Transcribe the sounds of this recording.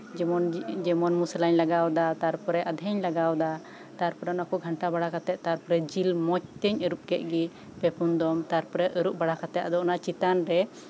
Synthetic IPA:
nd͡ʒɛmɔnmusəlaɲlaɡawd̪at̪aɾpɔɾɛʔəd̪ʱɛɲlaɡawd̪a | t̪aɾpɔɾɛnaɔkɔɡʱaɳʈabaɽakat̪ɛt̪̚t̪aɾpɔɾɛd͡ʒilmɔt͡ʃ̚t̪əɲəɾup̚kɛʔ̪̚ɡi | pɛpund̪ɔmt̪aɾpɔɾɛʔəɾuʔ̚baɽakat̪ɛt̪̚ad̪ɔɔnat͡ʃit̪anɾɛ

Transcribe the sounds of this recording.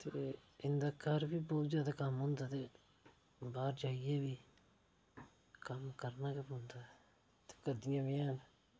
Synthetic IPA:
t̪eːɪnd̪aːkaːɾbiːbɔːt̪zjaːd̪aːkəmɦõːnd̪aːt̪eː | baːɾd͡ʒaːɪeːbiː | kəmkəɾnaːkepɦõːnd̪aː | t̪e̥ːkəd̪ɪjãːbiːãːn

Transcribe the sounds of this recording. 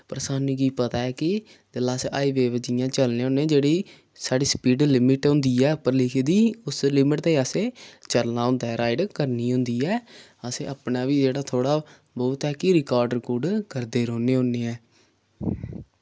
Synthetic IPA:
pəɾsaːnũːkiːpət̪aːɛːkɪ | d̪əlaːsʔaːiʋeːʋd͡ʒiːjãːt͡ʃəlneːʊːneːd͡ʒeːɽiː | saːɖiːspiːɖlɪmɪʈɦʊ̃nd̪iːɛːpəɾlɪkʰeːd̪iːʊslɪmɪʈt̪eːəsẽːt͡ʃəɾnaːɦʊ̃nd̪aːɾaːɪɖkəɾniːɦʊ̃nd̪iːɛː | əsḛːəpnaːʋiːd͡ʒeːɽaːt̪ʰoːɽaː | bɔːt̪ɛːkɪɾɪkaːɾɖəɾkuːɖkəɾd̪eːɾoːneːɦõnːeːɛː

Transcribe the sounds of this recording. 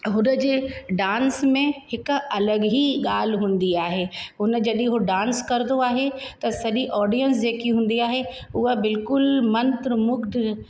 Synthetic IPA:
ɦʊnə̆d͡ʑeːɖãːnsmẽhɪkɐləɠɦiɠaːl̤ɦũːn̆d̪iaːɦeɦʊnd͡ʑɐɗĩɦoɖãːnskɐɾd̪oaːɦet̪ɐsɐʄiʔɔːɾɖijəns̬d͡ʑeːkiɦũːn̆d̪iaːɦe | ʊɦəbɪlkʊlmɐ̃nt̪ɾəmʊɡd̪

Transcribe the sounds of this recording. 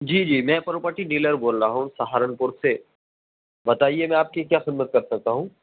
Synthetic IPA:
d͡ʒiːd͡ʒiːmɛ̃pɐɾopəʈiɖiːləɾboːlɾaɦũsɐɦaːɾənpʊɾse | bɐt̪aːiemɛ̃aːp̚kikjaːxɪd̪mət̪̚kɐɾsɐk̚t̪aɦũː

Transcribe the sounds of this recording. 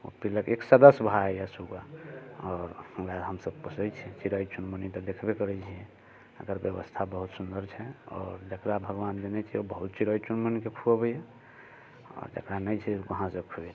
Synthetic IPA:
o̰piləkeksəd̪əsbʱaɛjasuɡaɔːɾwad̪ɦəmsəb̚kusəjt͡ʃʰɛt͡ʃiɾəjt͡ʃunmənit̪ɔd̪ekʰbekəɾɛt͡ʃʰijɛ̃ | əkəɾbjəβəst̪ʰabəɦut̪sund̪əɾt͡ʃʰɛɔːɾd͡ʒəkɾabʱəɡʋand̪enɛt͡ʃʰiobəɦut̪̚t͡ʃiɾəjt͡ʃunmənikekʰuəbəje | ɔ̰ːɾd͡ʒə̰kɾanəjt͡ʃʰɛkəɦãsəkʰue

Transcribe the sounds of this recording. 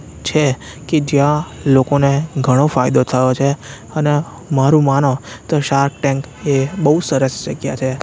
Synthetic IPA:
t͡ʃʰe | ked͡ʒjãlokoneɡʱəɽ̃ofajd̪ot̪ʰəjot͡ʃʰe | əne | maɾũmanõt̪oʃaɾk̚ʈɛ̃ŋk | ebəɦusəɾəst͡ʃəɡja̰t͡ʃʰe

